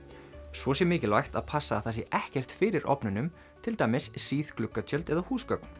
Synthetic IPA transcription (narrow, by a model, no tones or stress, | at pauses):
svɔs̬jɛmɪːcɪlvajxt̪a̰ðpʰasːaθas̬jɛʔɛhcɛr̥t̪fɪːɾɪɾʔɔ̰pnʏnʏm | t̪ʰɪlt̪ajmɪsːiːθklʏkːat̪ʰjœlt̪ɛðahuːskœk̚n̥